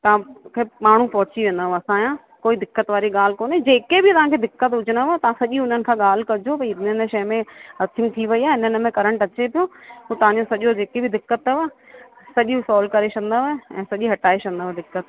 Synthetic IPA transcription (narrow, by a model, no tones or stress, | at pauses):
t̪ɐʋ̤ãkʰemaːɳ̤ũpɐɦʊt͡ɕiʋẽːn̆d̪aɦoɐsãjãː | koːid̪ɪkːət̪ʋaːɾiɠaːl̤ɪkoːned͡ʑeːkebʱɪt̪ɐʋ̤ãkʰeːd̪ɪkːət̪ʊd͡ʑʱɪñət̪ɐʋ̤ãsɐʄiʊn̤ənɪ̆kʰãːɠaːl̤kɐd͡ʑʱopɐĩɪnʃɐjmẽɦɐt̪ʰɪ̃ŋɡ̚t̪ʰiʋɐiaːɪnən̆mẽkɐɾə̃ɳʈɐt͡ɕepijõut̪ɐʋ̤ãɲd͡ʑosɐʄod͡ʑeːkebɪd̪ɪkːət̪ːɐʋaː | sɐʄũsɔːlkɐɾeʃɐ̃nd̪aʋeɛ̰̃ːsɐʄiɦɐʈaːiʃɐ̃nd̪aɦd̪ɪkːət̪